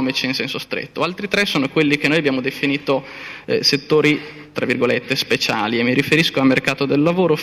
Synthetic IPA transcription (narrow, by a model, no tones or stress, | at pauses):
mit͡ʃinsɛnsost̪ɾḛt̪ːoalt̪ɾit̪ɾesoːnokwelːik̟enoːjabːjaːmod̪efiniːt̪oset̪ːoːɾi | t̪ɾavːirɡolet̪ːespet͡ʃaːliemːiɾifeɾiskoalmerkaːt̪od̪elːavoːɾo